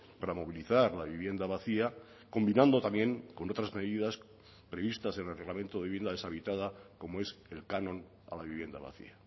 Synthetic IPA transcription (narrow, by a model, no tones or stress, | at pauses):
paɾamo̞β̞iliθaɾlaβiβje̞nd̪aβaθia | ko̞mbinãnd̪o̞t̪amjẽ̞ŋko̞no̞t̪ɾazme̞ðiðas | pɾe̞βist̪asenelreɣlamẽ̞nt̪oðe̞iβnd̪aðesaβit̪aðako̞moe̞se̞lkanõ̞n | a̰laβiβje̞nd̪a̰βa̰θḭa